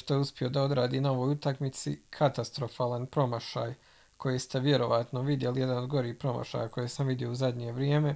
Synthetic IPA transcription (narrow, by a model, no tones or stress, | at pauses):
ʃt̪ojeuspʲio̞d̪ao̞d̪ɾaːd̪iːnao̞ʋo̞ːjut̪akmit̪sḭkʰat̪ast̪ɾo̞faːlˠanpɾo̞maʃa̰ːj | kʰo̞jest̪e̞ʋje̞ɾo̞ʋaːt̪noʋid̪je̞lije̞d̪ano̞d̪ɡo̞ɾiːhpɾo̞ma̰ʃa̰ːjakʰo̞jesamʋid̪jio̞uzad̪ɲe̞ʋɾjeːme̞